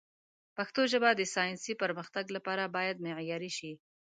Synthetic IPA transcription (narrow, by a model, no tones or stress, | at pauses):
paxt̪oʒəbad̪əsɑjɪnsipəɾməxt̪aɡlapɑɾabɑjad̪̚meʕjɑɾiʃi